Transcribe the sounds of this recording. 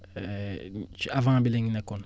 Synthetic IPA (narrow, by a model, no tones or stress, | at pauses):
avãbɛlẽɲinɛkɔnɔ